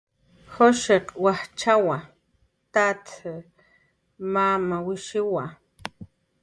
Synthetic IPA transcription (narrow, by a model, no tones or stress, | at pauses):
xoʃeqwaht͡ʃawa | t̪at̪ | mamawiʃiwa